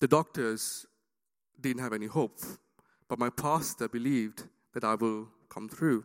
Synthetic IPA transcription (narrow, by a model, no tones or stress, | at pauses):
d̪̥ədɔk̚təz | dɪdⁿə̃ntɦævɛnihop | b̥ʌt̚majpʰastəbilivd | ð̥ɛtaɪwɪl | kʰʌ̃mθʰɹu